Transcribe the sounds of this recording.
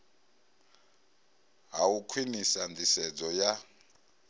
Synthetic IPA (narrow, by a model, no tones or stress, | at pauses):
ɦaukʰwinisandisɛd͡zɔja